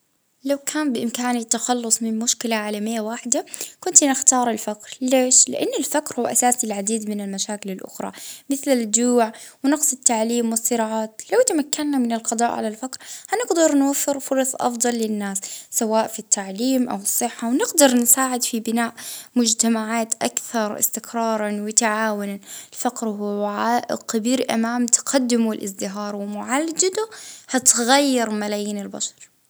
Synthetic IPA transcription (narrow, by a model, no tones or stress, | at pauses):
lawkʰaːmbɪʔɪmkaːnit̪ːaxɑlːʊsˤmɪnmʊʃkɪlaʕaːlamɪjːawaːħɪd̪akʊnt̪nɪxt̪ɑːɾˤɪlfakɾleːʃlɪ̰ʔanːɪlfakɾhuwːaʔasaːsilʕad̪iːd̪mɪnɪlmaʃaːkɪlɪlʔʊ̰xɾˤɑ̰mɪθlɪd͡ʒuːʕwnɑqsˤɪt̪ːaʕliːmwɪsˤːɨɾɑːʕaːt̪lawt̪amakːanːamɪnɪlqɑd̪ˤɑ̰ːʔʕa̰lalfakɾhanɪɡd̪ɑɾˤnwafːɪɾfʊɾˤɑsˤʔɑ̰fd̪ˤɑlːɪnːaːsːawaːʔfit̪ːaʕliːmʔa̰wɪsˤːɨħːawnɪɡd̪ɑɾˤnsaːʕɪd̪fibɪnaːʔmʊd͡ʒt̪amaʕaːt̪ʔakθɑɾˤɪ̰st̪ɪkɾˤɑːɾˤɑnwɪt̪aʕaːwɪnanɪlfaqɾhuʕaʔqabiːɾʔa̰maːmt̪qad̪ːɪmuɪlʔɪsd̪ɪɦɑːɾˤwɪmʊʕalːd͡ʒad̪uhat̪ɣajːɪɾˤmalaːjiːnɪlba̰ʃɑ̥ɾˤ